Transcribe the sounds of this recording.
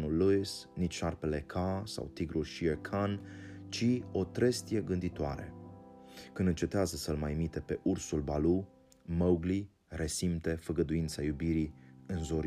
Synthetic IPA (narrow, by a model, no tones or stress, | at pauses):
nulːuisnit͡ʃʲʃarpe̞le̞kʰasa̰wt̪iɡɾulʃiekʰant͡ʃio̞t̪ɾest̪ije̞ɡɨnd̪it̪oaɾḛ | kɨnd̪ɨnt͡ʃe̞t̪eazəsəlmajmit̪e̞pe̞ʔursulbalu | məwɡli | re̞simt̪e̞fəɡəd̪uint̪sajubiɾiɨnzoɾ